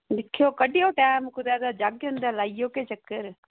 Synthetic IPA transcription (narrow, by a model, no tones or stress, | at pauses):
lɪkʰijokɐɗijoʈaːmkʊd̪aːd̪ad͡ʒaːɡɦʊ̃nd̪alaːijoːket͡ʃɐkːəɾ